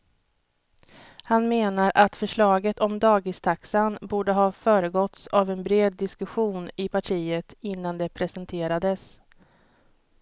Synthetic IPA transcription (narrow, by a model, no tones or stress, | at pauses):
hanmeːnaɾʔat̪fœʂɭɑːɡət̪ʰɔmd̪ɑːɡɪst̪ʰaksanbuːɖəɦɑːfœːɾəɡɔt̪savɛnbɾeːd̪ːɪskɵɧuːnɪpʰaʈʰiːət̪ɪnːand̪ɛpʰɾɛsɛnt̪ʰeːɾad̪əs